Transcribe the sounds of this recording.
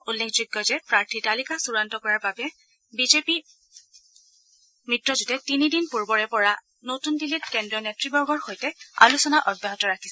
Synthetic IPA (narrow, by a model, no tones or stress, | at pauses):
ulːekʰzʊɡːɔzɛpɹaɹtʰitalikasuɹantɔkɔɹaɹbabɛ | bizepi | mɹitɹɔzutɛtinidinpuɹbɔɹɛpɔɹa | notundilitkɛndɹɔnetɹibɔɹɡɔɹxojtɛa̰lusɔnaʔɔdjaɦɔtɔɹakʰi̥sɛ